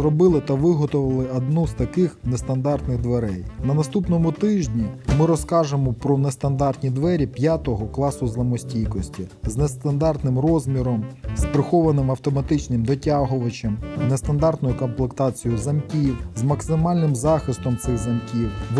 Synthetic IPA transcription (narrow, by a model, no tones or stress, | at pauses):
ɾɔbɪlˠɪt̪ɐʋɪɦɔt̪ʊʋɐlˠɪɐd̪nuzt̪ɐkɪxnest̪ɐnd̪ɑrt̪nɪɣd̪ʋeɾɛjnɐnɐst̪upnɔmʊt̪ɪʒʲnʲimɪɾɔskɑʒemɔpɾɔnest̪ɐnd̪ɑrt̪nʲid̪ʋɛɾʲipʲjat̪ɔɦɔklˠɑsʊzlˠɐmɔsʲtʲijkɔsʲtʲiznest̪ɐnd̪ɑrt̪nɪmrɔzʲmʲiɾɔmspɾɪxɔʋɐnɪmɐwt̪ɔmɐt̪ɪt͡ʃnɪmd̪ɔtʲaɦʊʋɐt͡ʃɐmnest̪ɐnd̪ɑrt̪nɔjʊkɔmplˠekt̪ɑt͡sʲijʊzɐmkʲiwzmɐksɪmɑlʲnɪmzɑxɪst̪ɔmt̪sɪɣzɐmkʲiwʋ